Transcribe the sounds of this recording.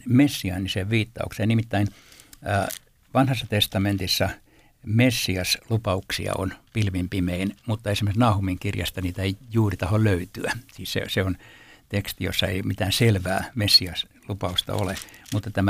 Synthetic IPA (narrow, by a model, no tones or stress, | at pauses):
mesːiɑnːiseʋʋiːt̪ːɑ̰uksennimit̪ːæinː | ʋɑnhɑsːɑt̪est̪ɑment̪isːɑ | mesːiɑslupɑuksḭɑ̰o̰npilʋimpimeinmut̪ːɑesimeksnɑːhumiŋkirjɑ̰st̪ɑniːt̪æeijuːrit̪ɑholløyt̪yæsiːssḛseont̪ekst̪ijo̰sːɑḛimit̪æːnselʋæːmesːiɑs | lupɑust̪ɑ̰o̰lemut̪ːɑt̪æmæ